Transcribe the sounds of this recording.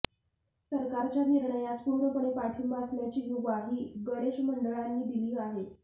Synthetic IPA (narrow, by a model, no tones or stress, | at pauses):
səɾkaɾt͡ɕjaniɾɳəjat͡skuɾəpəɳepaʈʰimat͡sljat͡ɕiːjuʋaɦiːɡəɾeɕməɳɖəɭanːiːd̪iliːaɦe